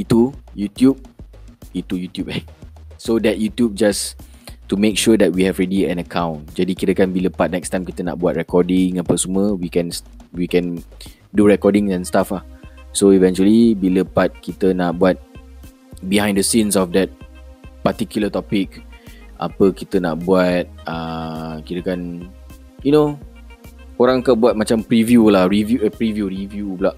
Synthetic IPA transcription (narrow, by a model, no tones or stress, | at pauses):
itujutjub̚ | itujutjupɛsodɛt̚jutjub̚d͡ʒas | tumek̚ʃuədɛt̚wihɛvɹɛdiɛ̃nəkʰãw̃nd͡ʒadikitəkãnbiləpat̚nɛkstãjmkit̪əna̰t̚bat̚ɹɛkʰɔdĩŋə̃pəsuməwikɛ̃ns | wikɛ̃n | duɹɛkɔdĩŋsɛ̃nstafasoivɛ̃nt͡ʃuəlibiləpat̪̚kit̪ənaʔ̚buat̪̚ | biɦãj̃ndəsĩnsɔfdɛt̪̚pat̪ikjulət̪ɔpik̚ʔa̰pəkit̪əna̰ʔbuat̪̚akiɾəkan | juno | oɾãŋakabuat̚mat͡ʃampɾivjulahɹivjuəpɾivjuɹivjublaʔ